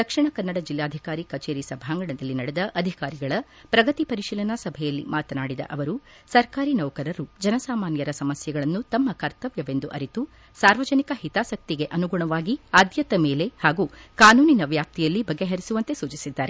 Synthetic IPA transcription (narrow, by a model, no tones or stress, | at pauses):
d̪̥ɐkʂiɳɐkɐnːɐɽɐd͡ʒilːaːd̪ʱikaːɾikɐt͡ʃeːɾisɐbʱaːŋɡɐɳɐd̪ɐlːinɐɽed̪ɐʔɐd̪ʱikaːɾiɡɐɭɐ | pɾɐɡɐt̪ipɐɾiʃiːlɐnɐsɐbʱɛjɐlːḭmaːt̪ɐnaːɽid̪ɐ̰ʔɐʋɐɾu | sɐɾkaːɾinɐwkɐɾɐɾud͡ʒɐnɐsaːmaːnjɐɾɐsɐmɐsjɐɡɐɭɐnːut̪ɐmːɐkɐɾt̪ɐʋjɐʋe̞nd̪uʔɐɾit̪u | saːɾʋɐd͡ʒɐnikɐhit̪aːsɐk̚t̪iɡe̞ʔɐnuɡuɳɐʋaːɡiaːd̪jɐt̪ɐmeːle̞haːɡukaːnuːninɐʋjaːp̚t̪ijɐlːibɐɡːe̞ɦɐɾisuʋɐnt̪e̞suːt͡ʃisid̪ːaːɾe